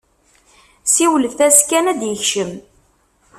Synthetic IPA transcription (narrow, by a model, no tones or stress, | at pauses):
siwləfθæskænæd̪jəçʃəm